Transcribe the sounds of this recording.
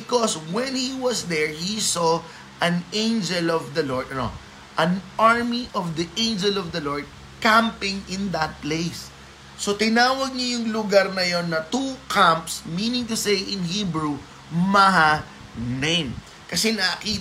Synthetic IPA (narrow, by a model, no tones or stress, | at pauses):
bɪkoswɛ̃nhiwɐsd̪ɛɹhiso | ʔɐ̃nẽjnd͡ʒɛlɔvd̪ɐloɹd̪̚ɐno̰ | ʔɐ̃nʔaɹmiʔɔvd̪iʔẽnd͡ʒɛlɔvd̪ɐloɹd̪̚ | kãmpɪ̃ŋɪ̃nd̪ɐt̪̚plejsː | ot̪ɪnaːwɐɡ̚ɲɐjʊŋlʊɡaɾnɐjo̞nːɐt̪ukãmpsminɪ̃ŋt̪ʊsejʔɪ̃nɦibɹu | mɐɦa | nẽjm | kɐsɛnɐki